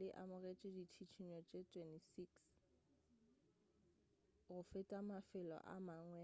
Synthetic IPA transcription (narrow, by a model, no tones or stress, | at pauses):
lɪʔamʊɣet͡ʃʼɪditʰit͡ʃʰiɲɔt͡ʃʼetʼwɛntisiks | ɣʊfɪtʼamafɪlɔ̰ʔa̰maŋwɛ